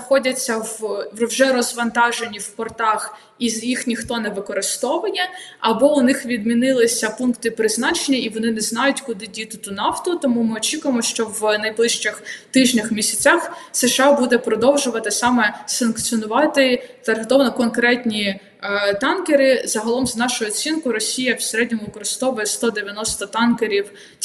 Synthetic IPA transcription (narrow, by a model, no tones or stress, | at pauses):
ɐxɔdʲɐt͡sʲːɐʋwʒɛɾɔzʋɐnt̪ɑʒenʲiwpɔrt̪ɑx | izjixnʲixt̪ɔnɛʋɪkɔɾɪst̪ɔʋɐnʲɛɐbɔʊnɪxʋʲid̪mʲinɪlˠɪsʲɐpunkt̪ɪpɾɪznɑt͡ʃenʲːɐiʋɔnɪnɛznɑjʊtʲkʊd̪ɪdʲit̪ɪt̪unɑft̪ʊt̪ɔmumɪɔt͡ʃʲikʊjemɔʃt͡ʃɔʋnɐjblˠɪʃt͡ʃɪxt̪ɪʒnʲɐxmʲisʲɐt͡sʲaxseʃɑbud̪ɛpɾɔd̪ɔwʒʊʋɐt̪ɪsɑmɛsɐnkt͡sʲiɔnʊʋɑt̪ɪt̪ɐrɦet̪ɔʋnɔkɔnkɾɛtʲnʲi | t̪ɑnkeɾɪzɐɦɐlˠɔmznɑʃʊjʊɔt͡sʲinkʊɾɔsʲijɐwseɾɛdʲnʲɔmʊʋɪkɔɾɪst̪ɔʋʊjɛst̪ɔd̪eʋʲjɐnɔst̪ɔt̪ɑnkeɾʲiwʲ